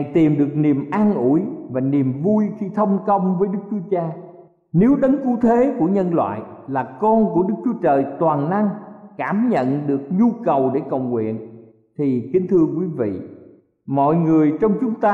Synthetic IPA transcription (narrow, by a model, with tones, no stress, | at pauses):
jt̪i˨˩mɗɨ˨˩ək̚ni˨˩əmʔaː˧nʔu˧˩jvaː˨˩ni˨˩əmvu˧jxi˧t̪ʰə˧wŋ͡mkə˧wŋ͡mvəː˨˦jɗɨ˦˥k̚t͡ɕu˨˦ət͡ɕaː˧ | ne˨˦wɗə˨˦nku˨˦t̪ʰe˨˦ku˧˩əɲə˧nlwa̰ː˧˨jlaː˨˩kɔ˧nku˧˩əɗɨ˦˥k̚t͡ɕu˨˦ət͡ɕəː˨˩jt̪waː˨˩nna˧ŋkaː˧˩mɲə̰˧˨nɗɨ˨˩ək̚ɲu˧kə˨˩wɗe˧˩kə˨˩wŋwḭ˧˨ən | t̪ʰi˨˩kï˨˦ŋ̟t̪ʰɨ˧əkwi˨˦vḭ˧˨ | mɔ̰˧˨jŋɨ˨˩əjt͡ɕɔ˧wŋ͡mt͡ɕʊ˨˦ŋ͡mt̪aː˧